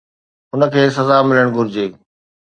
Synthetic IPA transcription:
ʊnə̆kʰeːs̬ɐzamɪləɽ̃ɡʱʊɾɪd͡ʑeː

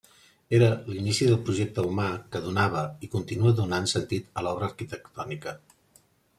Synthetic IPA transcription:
eɾəlinisiðəlˠpɾuʒek̚t̪əumakəðunaβ̞əikunt̪inuəðunansənt̪it̪əlɔβɾəːɾkit̪ək̚t̪ɔnikə

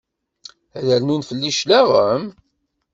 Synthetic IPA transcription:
æðælnunfəlːiʃlæʁəm

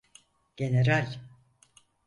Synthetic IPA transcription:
ɟ̥eneɾalʲ

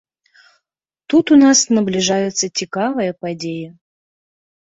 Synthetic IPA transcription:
t̪ut̪unasnəblʲɪʐajɛt̪sətʲɪkavəjɐpadʲejə

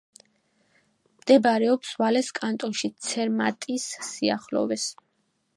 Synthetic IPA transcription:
md̪̥ɛbaɾɛɔpsvalɛskʼant̪ʼɔnʃit̪sʰɛɾmat̪ʼisːia̰χlɔ̰vɛs

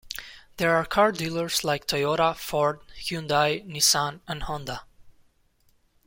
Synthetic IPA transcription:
ðɛɹaːɹkʰɑɹdilˠəɹslaɪk̚tʰɔjɔɾəfɔɹdhjũnd̪ajnisãnæ̃nhɔ̃nd̪a

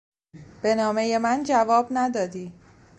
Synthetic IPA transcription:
b̥e̞nɒːme̞je̞mænd͡ʒævɒːbnæd̪ɒːd̪iː

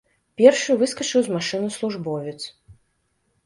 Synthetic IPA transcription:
pʲɛrʂɨjuvɨskɐt͡ʂɨwzmaʂɨnɐslˠuʐbɔvʲɛt̪s

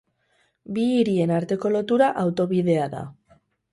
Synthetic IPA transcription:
biːɾie̞naɾt̪e̞ko̞lo̞t̪uɾaʔawt̪o̞βiðe̞aða̰

